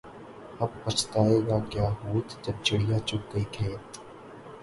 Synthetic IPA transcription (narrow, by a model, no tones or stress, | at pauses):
ɐbpɐt͡ʃt̪aːeːɡakjaːɦuːt̪d͡ʒɐb̚t͡ʃɪɽijat͡ʃʊk̚ɡɐikʰeːt̪